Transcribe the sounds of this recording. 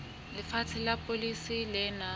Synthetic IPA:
lɪfatʰɪlapʼolisilɛna

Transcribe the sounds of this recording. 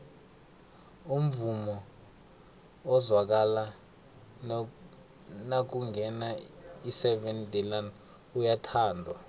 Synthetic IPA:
um̩vumɔ | ɔzwak̬ala | nak̬uŋɡɛnaisɛvɛndʱʼɛlan | ujatʰaːndʱwa

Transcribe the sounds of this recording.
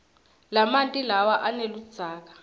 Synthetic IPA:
lamantʼilawaʔanelud̥z̥ʱaːk̬ḁ

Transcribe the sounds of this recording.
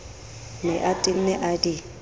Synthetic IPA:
mɪʔatʼin̩nɛʔadi

